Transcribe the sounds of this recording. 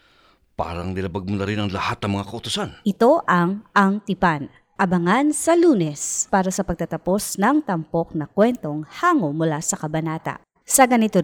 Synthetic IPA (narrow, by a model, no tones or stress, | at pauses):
pa̰ːɾɐ̰ŋnɪlabɐɡ̚mʊnɐɾɪnɐŋlɐhat̪̚nɐŋmɐŋakɐʔʊt̪ʊsanʔɪt̪o̞ʔɐŋʔɐŋt̪ɪpan | ʔɐbɐŋansɐluːnɛspaːɾɐsɐpɐɡ̚t̪at̪ɐpo̞snɐŋt̪ɐmpo̞k̚nɐkwɛnt̪o̞ŋhaːŋomʊlasɐkɐbɐnaːt̪ɐ̰ʔ | sɐɡɐnɪt̪o